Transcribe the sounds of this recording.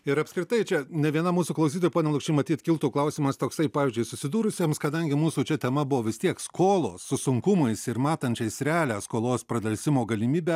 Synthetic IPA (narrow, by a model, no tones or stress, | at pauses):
ɪɾɐpʲskɾʲɪt̪ɐɪt͡ʃʲɛnʲɛʋʲiɛnɐmuːsuːklˠɐʊs̬ʲiːt̪ojpoːnʲɛlˠʊkʃt͡ʃʲɪmɐt̪ʲiːt̪ʲkʲɪlˠt̪uːklˠɐʊsʲiːmɐst̪oːksɐɪpɑːʋʲɪːzʲd͡ʒʲʊɪsʊsʲɪd̪uːɾʊsʲiɛmskɐd̪ɐŋʲɡʲɪmuːsuːt͡ʃʲɛt̪ʲɛmɐbʊʋoːʋʲɪst̪ʲiɛkskoːlˠo̰ːsːʊsʊŋkʊmɐɪsɪɾmɑːt̪ɐnʲt͡ʃʲɛɪsɾʲɛɑːlʲæːskoːlˠoːspɾɐd̪ɐlʲsʲɪmoːɡɐlʲɪmʲiːbʲæ